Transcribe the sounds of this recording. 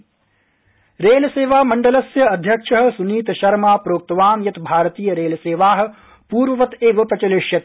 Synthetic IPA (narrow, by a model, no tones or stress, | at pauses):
ɾeːlseːʋaːmɐɳɖɐlɐsjɐɐd̪ʱjɐkʂɐɦɐ̆suniːt̪ʃɐɾmaːpɾoːk̚t̪ɐʋaːnjɐt̪bʱaːɾt̪iːjɐɾeːlseːʋaːɦɐ̆ | puːɾʋɐʋɐt̪eːʋɐpɾɐt͡ʃɐleʃjɐt̪